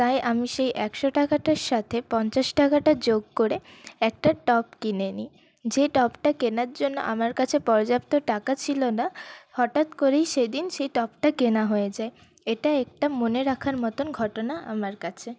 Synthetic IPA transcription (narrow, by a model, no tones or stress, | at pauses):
t̪ajʔamiʃejʔɛkʃoʈakaʈaɾʃat̪ʰepɔnt͡ɕaʃʈakaʈad͡ʑoɡ̚koɾeɛk̚ʈaʈɔp̚kineni | d͡ʑeʈɔpʈakenaɾd͡ʑonːo̰ʔamaɾkat͡ɕʰepɔɾd͡ʑapt̪oʈakat͡ɕʰilonahɔʈat̪koɾejʃed̪inʃejʈɔpʈakenaɦoed͡ʑae | eʈaɛk̚ʈamoneɾakʰaɾmɔt̪onɡʱɔʈonaʔa̰maɾkat͡ɕʰe